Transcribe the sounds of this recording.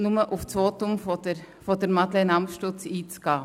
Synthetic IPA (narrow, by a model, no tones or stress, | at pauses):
nʊməʔʊft͡sʋoːtʊmfodə | fodəɾmɑdlenɑmʃtʊt͡siːt͡sɡ̥ɑː